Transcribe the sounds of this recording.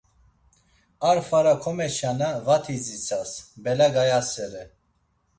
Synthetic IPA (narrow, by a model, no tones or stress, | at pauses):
aɾfaɾakʰɔmɛʃanavat̪ʰizit͡sʰasbɛlaɡajasɛɾɛ